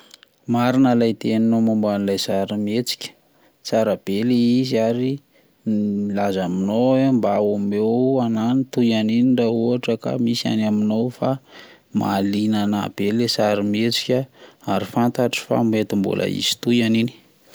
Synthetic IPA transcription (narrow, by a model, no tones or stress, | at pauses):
maɾinalajt̪eninomambanilajzaɾimet͡si̥kʲə̥ | t͡saɾab̥eleizaɾi | ilazaminoambaameananit̪ujaninirauaʈ͡ʂəka̰misia̰naminowfa | ma̰linanab̥elesaɾimet͡si̥kʲəaɾifant̪aʈ͡ʂi̥fa̰met̪imbṵlʔa̰ḭz̥i̥t̪ujanini̥